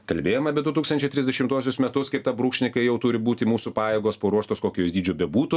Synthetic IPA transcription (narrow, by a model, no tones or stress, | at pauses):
kɐlʲbʲeːjomɐbʲɛd̪ʊt̪uːkst̪ɐnʲt͡ʃʲɛɪt̪ɾʲɪzʲd̪ʲɛʃʲɪmt̪uɔsʲʊsmʲɛt̪ʊskɐɪpt̪ɐbɾuːkʃʲnʲɪkɐɪjɛʊt̪ʊɾʲɪbuːt̪ʲɪmuːsʊpɑːjeːɡoːspoːɾuɔʃt̪oːskoːkʲːoːsd̪ʲiːd͡ʒʲoːbʲɛbuːt̪ʊ